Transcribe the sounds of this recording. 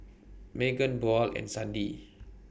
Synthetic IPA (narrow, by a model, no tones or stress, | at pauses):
mɛɡə̃nbɔlɛ̰̃nsãndi